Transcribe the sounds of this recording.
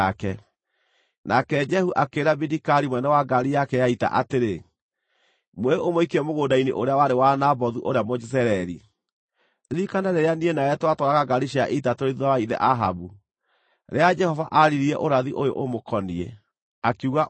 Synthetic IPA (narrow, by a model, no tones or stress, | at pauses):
kɛ | nʔakɛd͡ʒɛhuʔakeːɾabidikaɾimwɛnɛwaɡaɾijakɛjaita̰ʔateɾe | mweomoikiɛmoɣoːdainḛʔoɾeawaɾewanabɔðuʔoɾeamod͡ʒisɛɾɛɾḭ | ðikanaɾeɾeanienajɛtwatɔɾaɣaɡaɾiʃiaʔeitatoɾeðuawaiðɛ̰ʔaɦa̰bu | ɾead͡ʒɛhɔvaʔaɾiɾiɛʔoɾaðiʔojo̰ʔomokʰɔniɛ̰ | akuɣa